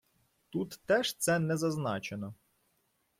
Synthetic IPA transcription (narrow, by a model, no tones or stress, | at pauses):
t̪ut̪ːɛʃt̪sɛnɛzɐznɑt͡ʃenɔ